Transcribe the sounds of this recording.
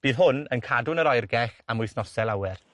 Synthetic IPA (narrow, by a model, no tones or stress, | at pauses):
b̥iːðɦʊnənkʰadʊnəɾɔjrɡɛxamʊjθnɔsɛlˠawɛr